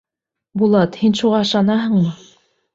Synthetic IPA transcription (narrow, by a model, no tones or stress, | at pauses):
bulˠɑt̪hinʃuʁɑɤ̆ʃɑnɑɦɤ̆ɴmɤ